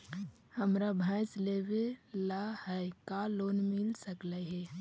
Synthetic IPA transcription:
həmɾabʱãslewelahɛkaloːnmɪlsəkləɦe

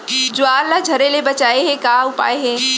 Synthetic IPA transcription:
d͡ʒʊaːɾlad͡ʒʱɐɾelebɐt͡ɕaːeɦẽkaːʊpa̰ːeɦẽː

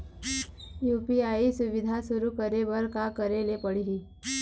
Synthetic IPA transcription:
jupiaisuʋid̪ʱasuɾuːkəɾebəɾkakəɾelepəɽiɦi

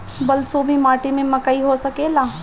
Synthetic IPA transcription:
bɐlsobʱimaːʈimẽmɐkaiɦosɐkeːlaː

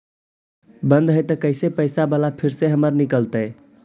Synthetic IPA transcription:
bənd̪ɦəjt̪əkəɪsepəɪsabəlapʰiɾseɦəməɾnikəlt̪əj

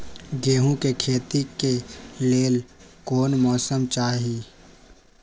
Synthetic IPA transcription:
ɡeːɦũkekʰeːt̪ikeleːl | koːnmɔːsəmt͡ʃaːɦiː

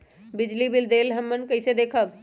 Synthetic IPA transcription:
bɪd͡ʒlibild̪eːlɦəmːənkəɪsed̪eːkʰəb

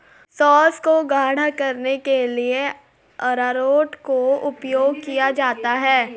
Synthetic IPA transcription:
sɔːskoɡʱaːɽ̤akɐɾnekelie | ɐɾaːɾoːʈkoʊpjoːɡ̚kijad͡ʒaːt̪aɦɛː

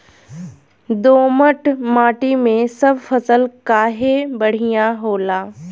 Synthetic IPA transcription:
d̪oːməʈmaːʈimẽsɐbfʰɐsəlkaːɦebɐɽ̤ijãɦoːlaː

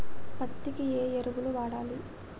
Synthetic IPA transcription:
pɐt̪ːikieːeɾuɡuluʋaːɽaːli

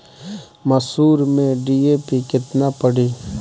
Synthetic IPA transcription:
məsuːɾmẽɖiːepikɪt̪napəɽiː

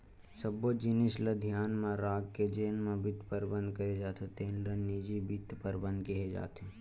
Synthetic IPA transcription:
səbod͡ʒɪnɪsləd̪ʱjaːnmãɾaːɡked͡ʒeːnmẽbɪt̪ʰpəɾbə̃nd̪kɐɾed͡ʒaːt̪ʰet̪eːnɖənːid͡ʒibɪt̪pəɾbə̃nd̪̚kiɦed͡ʒa̰ːt̪ɦe

